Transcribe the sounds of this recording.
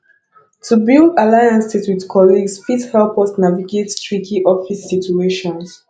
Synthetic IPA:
tʰubilˠdalajãnsiswidkʰɔliɡsfithɛlpɔsnaviɡettɹikʰiʔɔfisːitueʃɔ̃ns

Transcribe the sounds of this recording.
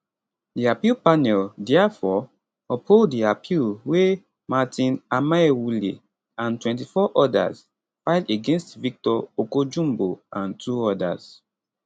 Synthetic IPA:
diapilpanɛldɛafɔ | ɔpholddiapʰilwe | matĩnamaɛwuli | ãntwɛ̃nt̬ifɔʔɔda̰z | faɪdeɡẽnstvik̚tɔokod͡ʒũmboãntʰuɔda̰z̥

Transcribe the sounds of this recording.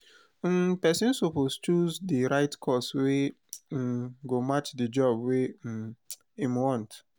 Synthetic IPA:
pɛsĩnsopost͡ʃuzdiɾaɪtkʰɔswe | ɡomat͡ʃdid͡ʒɔbwe | imwɔ̃nt

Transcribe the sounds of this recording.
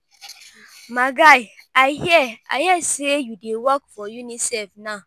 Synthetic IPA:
maɡajaɪɦiɛa̰jɛsejudewɔkfɔjunisɛlfnaʊ

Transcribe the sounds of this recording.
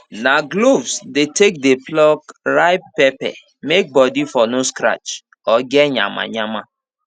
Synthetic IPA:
naɡlovsdetek̚deplɔkɾaɪp̚ːepɛ̰ | mek̚bɔdifɔnoskɾa̰t͡ʃ | ɔɡɛɲa̰ma̰ɲama

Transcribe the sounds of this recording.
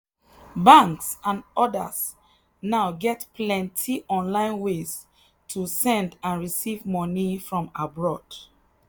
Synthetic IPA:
bãŋksãnɔdə̰s | naʊɡɛtpʰlɛ̃ntʰiʔɔ̃nlãɪ̃nwes | tʰusɛ̃ndãnɹisivmɔnifɹɔ̃mabɹɔd̥

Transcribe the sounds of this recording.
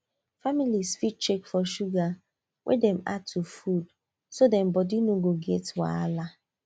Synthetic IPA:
familisfit͡ʃekfɔʃuɡa | wʔḛdɛ̃ma̰tʰufud | sodɛm̩bɔdinoɡoɡɛtwa̰ala

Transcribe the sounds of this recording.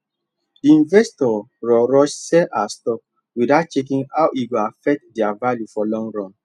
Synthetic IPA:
diĩnvɛstɔ | ɹɔɹɔʃsɛlastɔp̚ | widat̚t͡ʃek̬ĩŋawʔiɡoafɛk̚tdiavaljufɔlɔ̃ŋɡɹɔ̃n

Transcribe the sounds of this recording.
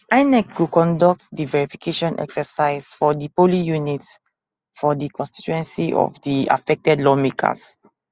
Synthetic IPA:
ʔãjnɛk̚ɡukɔ̃ndɔk̚tdivɛɹifi̥kʰeʃɔ̃nʔɛ̰ksəsaɪsfɔdipolijunits | fɔdikɔ̃nsti̥t͡ʃuɛ̃nsiʔɔ̰fdia̰fɛk̚tɛdlɔmekʰa̰s

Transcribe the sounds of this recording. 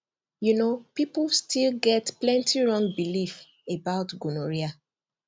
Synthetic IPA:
junopiplstilɡɛtplɛ̃ntiɹɔ̃ŋɡbilif | ebaʊtɡunoɹia

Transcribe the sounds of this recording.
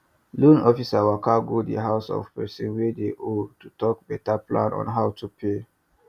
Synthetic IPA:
lũnɔfisawakaɡodə̰ɦaʊsɔ̰fpɛsĩnwedeʔotutɔk̚bɛtaplã̰nɔ̰̃nɦaʊtʰupʰe

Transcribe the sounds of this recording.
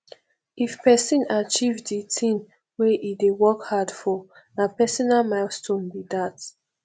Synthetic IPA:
ifpɛsĩnat͡ʃivditʰĩn | weʔidewɔkhadfɔ | napɛsɔnamastʰõnbidat

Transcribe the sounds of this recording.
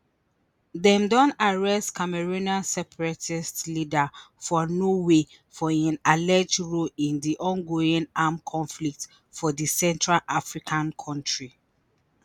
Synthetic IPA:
ðɛ̃mdɔ̃naɹɛstkʰamɛɹuniasɛpʰɹɛtʰistlidafɔnowe | fɔãnalɛd͡ʒɹoĩndiʔɔ̃nɡoĩnamkʰɔ̃nflik̚t | fɔðisɛ̃ntʰɹalʔafɹikʰãnkʰɔ̃ntʰɹi

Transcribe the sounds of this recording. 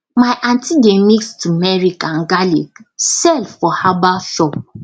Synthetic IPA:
majʔãntiɡɛmikstumɛɹikãnɡalḭksɛlfɔhabaʃɔp̚

